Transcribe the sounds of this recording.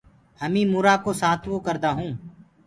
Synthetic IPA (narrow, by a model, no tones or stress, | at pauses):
əmĩːmʊɾaːkoːsãːt̪ʰʋokəɾd̪aːɦũː